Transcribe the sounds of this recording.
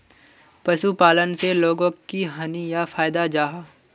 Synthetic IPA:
pɐʃupaːlənseloːɡõkiɦɐnijafaːjd̪ad͡ʒaːɦaː

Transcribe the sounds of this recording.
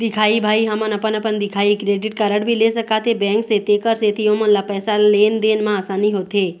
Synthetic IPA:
d̪ikʰaibʱaiɦamənəpənəpənd̪ikʰaikɾeɖiʈkaɾəɽbʱileʃəkat̪ʰebɛ̃ŋkset̪ekəɾset̪ʰiomənlapɛːsalend̪enmãasaniɦot̪ʰe

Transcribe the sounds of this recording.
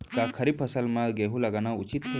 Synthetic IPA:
kakʰəɾib̚pʰɐsəlmãɡeɦũlɐɡanaut͡ʃit̪kʰe

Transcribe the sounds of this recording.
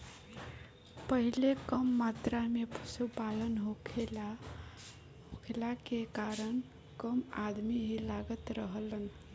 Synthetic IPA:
pəɦilekəmːat̪ɾamepʰu̥supalənɦokʰel | ɦokʰelakekaɾən | kəmad̪miɦilaɡət̪ɾəɦələn

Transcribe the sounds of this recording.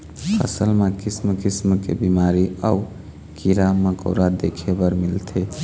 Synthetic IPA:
pʰə̰səlmekismkismkḛbimaɾiau | kiɾaməko̰ɾad̪ekʰebəɾmilt̪ʰe

